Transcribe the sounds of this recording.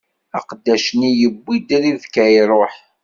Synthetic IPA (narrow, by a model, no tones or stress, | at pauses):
æqd̪ːæʃnijəbːid̪ɾiðkæjɾˤoħ